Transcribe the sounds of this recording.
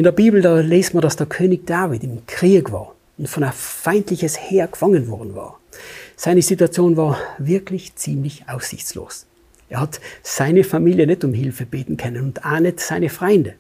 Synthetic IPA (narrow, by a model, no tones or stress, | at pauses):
ʔɪndeːɐbiːbl̩daːleːstmandasd̥eːɐkʰøːnɪçd̥aːvɪtɪmkʁ̥iːkva̰ːɐ | ʊntfɔnafaɪntlɪçəsheːɐkfaŋənvɔɐdn̩va̰ːɐz̥aɪnəzituat͡sjoːnvaːɐvɪɐkʰlɪçt͡siːmlɪçʔaʊsz̥ɪ̰çt͡slo̰ːs | ʔeːɐhatz̥aɪnəfamiːljənɛtʊmɦɪlfəb̥eːtn̩kʰœnənʊntʔaːnətsaɪnəfʁ̥ɔʏndə